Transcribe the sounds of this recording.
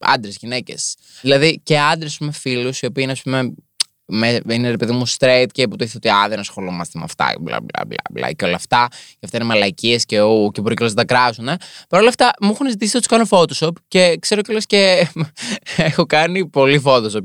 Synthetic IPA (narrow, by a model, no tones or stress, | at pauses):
ɐ̰nd̪ɾezʝinece̞s | ðilɐðice̞ɐnd̪ɾesɐspume̞filusio̞piːineɐspume | meineɾepe̞ðimust̪ɾeit̪cepot̪oiθot̪iɐðenɐsxo̞lumɐst̪emɐ̰ft̪ɐ̰blɐ̰blɐ̰blɐ̰blɐ̰ceo̞lɐft̪ɐceɐft̪ɐinemɐlɐciesceocebɾocelozt̪ɐkɾɐsune̞pɐɾo̞lɐft̪ɐmuxunizit̪isi̥ot̪iskɐnofot̪osopce̞kse̞ɾocelesce | exokɐnipo̞lifo̞ðosop